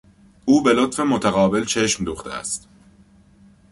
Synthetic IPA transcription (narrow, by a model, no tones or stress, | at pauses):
ʔuːbe̞lo̞t̪fe̞mot̪ʰæɣɒːbe̞lt͡ʃʰeʃmd̪uːχt̪ḛæ̰st̪